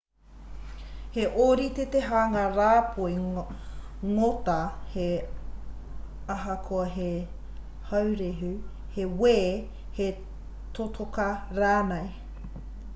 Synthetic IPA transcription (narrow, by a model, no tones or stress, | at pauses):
heʔoːɾit̪et̪eɦaːŋaɾaːpʰoi | ŋot̪ɐhe | ɐɦɐkʰoɐɦe | hɐwɾeɦʉ | heweː | he | t̪ot̪ʰokɐɾaːnɐj